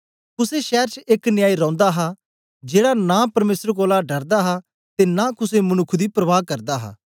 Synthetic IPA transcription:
kʊseʃɛːɾt͡ʃeknɪjaːiɾɔ̃ːnd̪aɦa | d͡ʒeːɽanãpɐɾmeːsəɾk̬oːlaɖɐɾd̪aɦa | t̪eːnaːkʊsemɐnʊkʰd̪iːpɾəʋaːɦkɐɾd̪aɦa̰ː

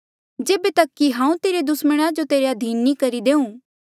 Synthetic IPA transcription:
d͡ʒeːbet̪ɐkːiɦãːũt̪eːɾed̪ʊsməɽ̃ad͡ʒot̪eːɾeɐd̪ʱiːnːikɐɾid̪eːũː

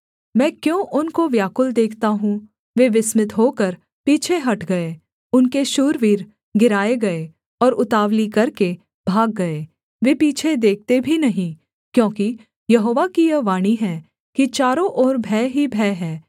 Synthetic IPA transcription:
mɛ̃ːkjõːʔʊnkoʋjaːkʊld̪eːkʰt̪aɦũ | ʋeːʋɪsmɪt̪ɦoːkɐɾ | piːt͡ʃʰeɦɐʈɡɐe | ʊnkeʃuːɾʋiːɾ | ɡɪɾaːeɡɐe | ɔːɾʊt̪aːʋlikɐɾke | bʱaːɡːɐeː | ʋeːpiːt͡ʃʰed̪eːk̚ʰt̪ebʱinɐɦĩ | kjõːki | jɐɦoːʋakijɐʋaːɽ̃iɦɛː | kit͡ʃaːɾõʔɔːɾbʱɛːɦibʱɛːɦɛː

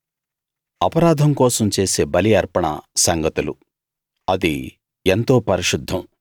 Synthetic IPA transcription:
ɐpɐɾaːd̪ʱɐmkɔːsɐmt͡ʃe̞ːseːbɐliɐɾpɐɳɐ̰sɐŋɡɐt̪ulu | ɐd̪i | ent̪o̞ːpɐɾiʃud̪ʱːɐm

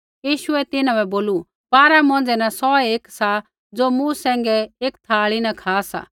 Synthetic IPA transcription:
jiːʃʊɛt̪ɪnãbɛboːlu | paːɾamɔ̃nd͡zɛnasɔeːksa | d͡zoːmũsɛ̃ːŋɡɛeːkt̪ʰaːɭinakʰaːsa̰ː

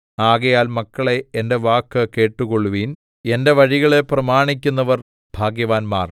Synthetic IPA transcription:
aːɣɐjaːlmɐkːɐɭe̞ːnde̞ʋaːkːɨke̞ːʈːuɣoɭːuʋin | e̞nde̞ʋɐɻiɣɐɭe̞prɐmaːɳik̬ʲːun̪ːɐʋɐr | b̥ʱaːɡjɐʋaːnmaːr

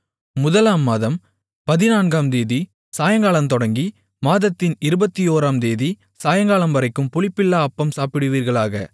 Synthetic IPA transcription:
mʊðɐlaːmːaːðɐm | pɐðɪnaːnɡaːmd̪eːði | saːjɐŋɡaːɭɐmt̪ɔɽɐŋɡi | maːðɐt̪ːɪnɪɾɯbɐt̪ːijoːɾaːmd̪eːði | saːjɐŋɡaːɭɐmʋɐɾɐɪkːɯmpʊɭɪpːɪlːaːɐpːɐmsaːpɪɽɯʋiːɾɣɐɭaːɣɐ̰

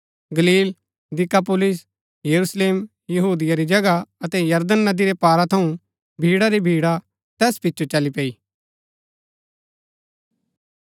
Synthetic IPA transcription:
ɡɐliːl | d̪ɪkap̬olɪs | jɐɾusleːm | jɐɦuːd̪ɪjaɾid͡ʒɐɡaɐt̪ɛjɐɾd̪ənːɐd̪iɾepaːɾat̪ʰɐũ | bʱiːɽaɾibʱiːɽa | t̪ɛːspɪtːt͡ʃʰot͡ʃɐlipeːiː

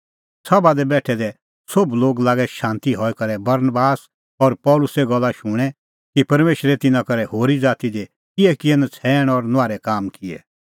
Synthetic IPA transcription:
sɐbad̪ɛbɛːʈʰɛd̪ɛ | sʊbloːɡlaːɡɛʃãːnt̪iɦɔːɛkɐɾɛbɐɾnbaːs | ɔɾpɔːlʊsɛɡɐlːaʃʊɽ̃ɛ | kipɐɾmeːʃɾɛt̪ɪnãkɐɾɛɦoːɾid͡zaːt̪id̪e | kɪɛkɪɛnãt͡sʰɛːɽ̃ɔɾnʊaːɾɛkaːmkɪɛ̰

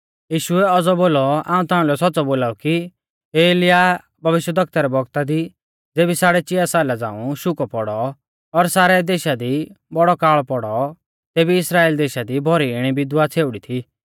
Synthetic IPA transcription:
jiːʃʊɛɔd͡zɔboːlɔã̰ːũt̪aːũlɛsɔtːt͡sɔboːlaːuki | eːeːlɪja | bʱɐʋɪʃjəd̪ɐk̚t̪aɾɛbʱɔɡt̪ad̪i | d͡zeːbisaːɽɛt͡ʃɪjasaːlad͡zã̰ːũʃʊkɔpɔɽɔ | ɔɾsaːɾɛd̪eːʃad̪i | bɔɽɔkaːɭpɔɽɔ | t̪eːbiɪsɾaːeːld̪eːʃad̪ibʱɔɾiɪɽ̃ibɪd̪wat͡sʰeːʊɽit̪ʰi

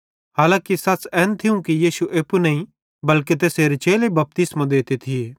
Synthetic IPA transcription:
haːlãːkisɐt͡sɛːnt̪ʰɪũkijiːsuʔeːpunɐɦĩ | bɐlket̪̬eːseːɾet͡ʃeːlebɐp̚t̪ɪsmãd̪eːt̪et̪ʰɪeː

